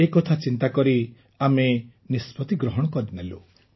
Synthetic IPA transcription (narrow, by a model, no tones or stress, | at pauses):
ekɔt̪ʰat͡ʃint̪akɔɾi | ame | nispʰɔt̪iɡɾɔɦɔɽ̃ɔkɔɾinelu